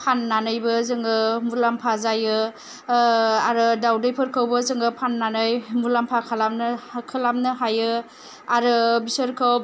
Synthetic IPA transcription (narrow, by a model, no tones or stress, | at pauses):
pʰanːanɯjbɯzɯŋɡɯmulampʰazajɯ | aɾɯdawdɯjpʰɯɾkʰɯwbɯzɯŋɡɯpʰanːanɯjmulampʰakʰalamnkʰɯlamnɯɦajɯ | aɾɯbisəɾkʰɯw